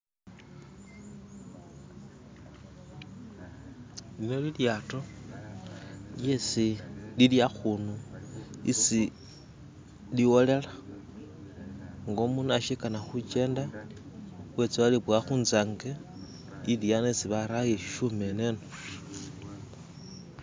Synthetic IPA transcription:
linoliljaːto | ljesililjaxunu | ḭsi | liwole̞la | ŋɡomunaʃikanaxut͡ʃe̞ːnda | wet͡siwaliβwaxuːnzaŋɡe | iljanesiβaɾajeʃiʃumeneno

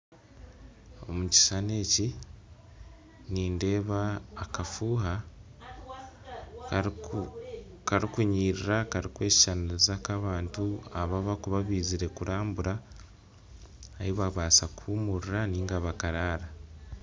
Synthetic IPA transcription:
o̞̰muci̥sane̞ːci | niːnde̞ːβaːkafuːɦa | kaɾikuɲiːɾiɾakaɾikwe̞ːsi̥ʃanaizakaβaːntuaβaβakuβaβiːziɾe̞kuɾʔaːmbuɾa | hiβaβaːsakuumuɾuɾaniːŋɡaβakaɾaːɾa

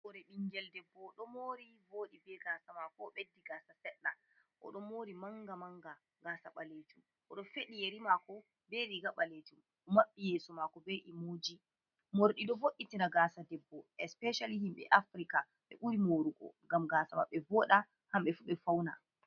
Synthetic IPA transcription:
bɔɾɛɗiŋɡɛldɛbːɔɗɔmoɾivoːɗibɛɡasamakɔɓedːiɡaːsasɛɗːa | ʔɔ̰ɗɔmoɾimaŋɡamaŋɡa | ɡaːsaɓaletum | ʔɔ̰ɗɔfeɗijeɾimakɔ | bɛɾiɡaɓaletum | ʔɔmaɓːijɛsɔmakɔbeʔimoːd͡ʒi | moɾɗiɗɔvoʔːitinaɡaːsadɛbːɔʔɛspɛʃalihimɓɛ̰ʔafɾika | ɓɛ̰ʔuɾimoɾuɡɔ̰ŋɡamɡaːsama̰ɓːɛvɔɗa | hamɓɛfuɓɛfawna

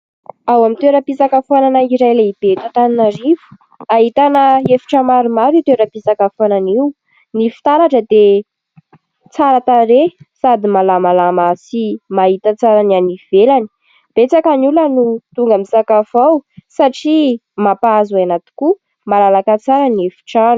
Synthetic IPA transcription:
awamint̪eɾəpisakafananaiɾajleib̥et̪at̪aninaɾivu̥ | aɦit̪anəefi̥ʈ͡ʂəmaɾumaɾit̪eɾəpisakafananiu | nifi̥t̪aɾaʈ͡ʂəd̪e | t͡saɾat̪aɾesad̪imalamalamasimaɦit̪at͡saɾanianiv̥elani̥ | b̥et͡sakanulənut̪uŋɡəmisakafawsaʈ͡ʂi | mapazuanat̪i̥ku | malalakat͡saɾaniefi̥ʈ͡ʂaɾu̥

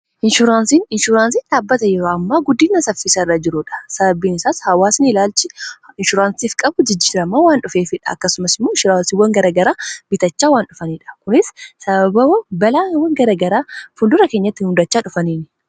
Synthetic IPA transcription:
ʔɪnʃʊɾaːnsiːnɪnʃʊɾaːnsiːnᶑaːbːɐt̪ɐjɛɾoːɐmːaːɡʊd̪ːiːnɐsɐfɪsɐɪrːɐd͡ʒɪɾʊᶑɐ̥sɐbɐbiːnɪsaːshɐwaːsɪnɪlaːlt͡ʃɪɪnʃʊɾaːnsiːfkʼɐbʊd͡ʒɪd͡ʒːiːɾɐmːaːwaːnᶑʊfeːfɪᶑɐ̥ɐ̰kːɐsʊmɐsɪmːoːɪnʃʊɾaːnsiwːɐŋɡɐɾɐɡɐɾaːb̥ɪt̪ɐt͡ʃːaːwaːnᶑʊfɐniːᶑɐ̥kʊnɪssɐbɐbɐɐbɐlaːwːɐŋɡɐɾɐɡɐɾaːfʊnd̪ʊɾɐkeːɲːɐt̪ːɪhʊnd̪ɐt͡ʃːaːᶑʊfɐniːn

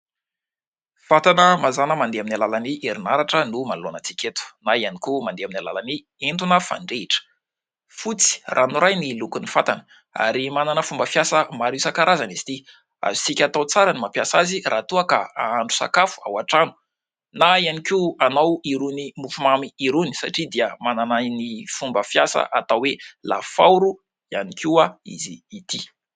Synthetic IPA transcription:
fat̪anəmazanəmand̪eaminalalaniʔeɾinaɾaʈ͡ʂənumanlonat͡si̥kʲet̪u̥naianikumand̪eaminala̰lani | ent̪unəfa̰ɳɖ͡ʐeiʈ͡ʂə̥ | fut͡si̥rʔanuɾajnilukunifat̪anə̥ | a̰ɾimananəfumbəfjasəmaɾisakaɾazanizi̥t̪i | a̰zusikʲat̪awt͡saɾənimapjasazirʔat̪uəkaaaɳɖ͡ʐu̥sa̰kafu̥a̰waʈ͡ʂanu̥ | naianikianawiɾunimufumamiiɾunisa̰ʈ͡ʂid̪iəmananajnifumbəfijasə̰ʔat̪awwela̰fauɾu | ianikiaḭziːt̪i

